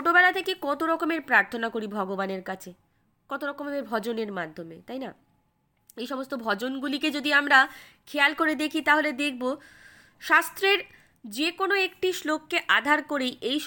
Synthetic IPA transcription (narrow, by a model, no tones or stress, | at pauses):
ʈobɛlat̪ʰekekɔt̪oɾɔkomeɾpɾaɾt̪ʰonakoɾibʱɔɡobaneɾkat͡ɕʰe | kɔt̪oɾɔkomeɾbʱɔd͡ʑoneɾmad̪ʱːomet̪ajna | ejʃɔmost̪obʱɔd͡ʑonɡuliked͡ʑod̪iamɾakʰealkoɾed̪ekʰit̪aɦoled̪ek̚ʰbo | ʃast̪ɾeɾ | d͡ʑekonoek̚ʈiʃlokːeʔad̪ʱaɾkoɾejej